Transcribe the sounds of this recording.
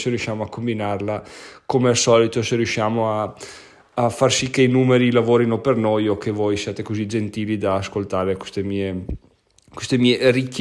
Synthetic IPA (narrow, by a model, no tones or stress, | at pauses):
seɾjuʃːjaːmoakːombinarlakomeasɔːlit̪oserjuʃjaːmoaː | farsikːeinuːmeɾilavoːɾinopernojok̟ːevojsjaːt̪ekozid͡ʒent̪iːlid̪aːskolt̪aːɾekwe̥st̪emiːe | kwest̪emiːerikː